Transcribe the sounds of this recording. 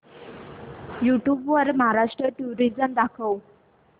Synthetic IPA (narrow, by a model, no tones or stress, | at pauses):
juʈjubʋəɾməɦaɾaʂʈɾəʈuɾid͡zəmd̪akʰəw